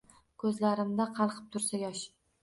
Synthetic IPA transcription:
kʰɵzlaɾɪmd̪aqʰɑlˠqʰɨ̥p̚t̪ʰʊɾsajɒʃ

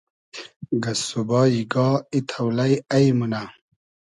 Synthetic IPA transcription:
ɡɐsubɑːiɡɔːit̪ʰawlajɐjmuna

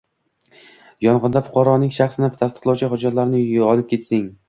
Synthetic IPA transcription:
jɒnʁɨnd̪afʊ̥qʰɑɾɒnɪŋʃaχsɪnɪt̪ʰast̪ɨ̥qlˠawt͡ʃʰɪχʊd͡ʒaɾlaɾnɪɒlˠɪp̚kʲʰe̞t̪sɪŋ

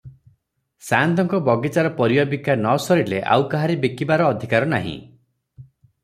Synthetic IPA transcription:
sant̪ɔŋkɔbɔɡit͡ʃaɾɔpɔɾijɔbikanɔsɔɾileʔa̰wkaɦaɾebikibaɾɔːd̪ʱikaɾɔnaɦḭ̃

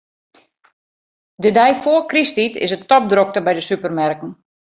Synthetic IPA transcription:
dədɛjfoːkristitɪ̰səttɔp̚drok̚təbɛjdəsypərmɛrkən̩

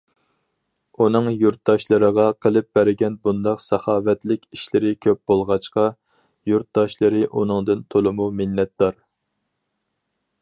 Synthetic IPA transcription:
unɨŋjuɾt̪̚d̪ɑʃlˠɨɾəʁɑqʰəlˠɨp̚b̥æɾɪɡʲɛnbund̪ɑqsɑχɑːvɛt̪lɪkʲiʃlɪɾɪkʲʰøp̚b̥olˠʁɑt͡ʃqɑ | juɾt̪̚d̪ɑʃlˠɨɾɨʔunɨŋd̪ɨnt̪ʰolˠɨmumɪnːɛt̪d̪ɑɾ

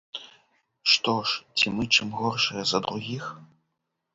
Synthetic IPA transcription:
ʂt̪ɔʂt͡sʲimɨt͡ʂɨmɣɔrʂɨjɛzɐd̪ɾuɣʲix

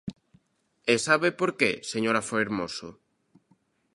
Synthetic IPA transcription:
esaβepoɾkeseɲoɾɐfoeɾmoso

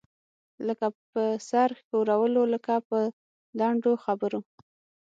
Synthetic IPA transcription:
ləkapəsaɾxoɾawəloləkapə | laɳɖoxabəɾu

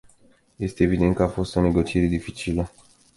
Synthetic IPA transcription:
je̞st̪e̞ːvid̪e̞nt̪kəafo̞st̪one̞ɡo̞t͡ʃie̞ɾe̞d̪ifit͡ʃilə

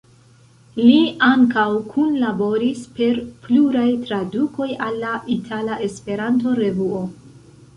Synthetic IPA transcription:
liaŋkawkʰunlabo̞ɾispe̞ɾpluɾajtɾaduko̞jalːaʔitʰalaʔe̞spe̞ɾant̬o̞ɾe̞vuo̞

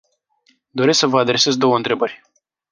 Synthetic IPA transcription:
d̪o̞ɾesksəvəad̪ɾe̞sezd̪o̞wəɨnt̪ɾe̞bərʲ

